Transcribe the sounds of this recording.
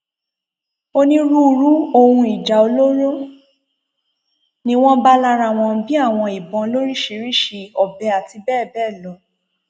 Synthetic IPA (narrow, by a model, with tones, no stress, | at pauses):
o˧nĩ˦ɾu˦˧ɾu˦o˧hũ˧i˨d͡ʒa˨o˧lo˦ɾo˦ | nĩ˧w̃ɔ̃˦ba˦la˧ɾa˦˨w̃ɔ̃˧bi˦a˦˨w̃ɔ̃˧i˨bɔ̃˧lo˦ɾi˦ʃe˧ɾi˦ʃe˧ɔ˨bɛ˨˧˦a˨ti˧bɛː˦˨bɛː˦˨lɔ˨˦